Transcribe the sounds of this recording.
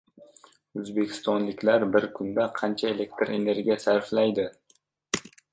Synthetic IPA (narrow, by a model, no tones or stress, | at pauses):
ɵzbekʲʰɪ̥st̪ɒnlɪkʲlaɾbɪɾkʰʊnd̪aqʰɑnt͡ʃʰaele̞kt̪ʰɪɾe̞ne̞ɾɡʲijasaɾflajd̪ɪ